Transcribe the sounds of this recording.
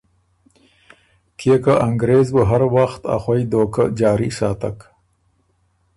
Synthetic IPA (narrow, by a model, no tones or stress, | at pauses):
kʰekaʔaŋɡɾeːzbəɦaɾwaxt̪a̰xwajd̪oːkad͡ʒɑːɾisɑːt̪a̰k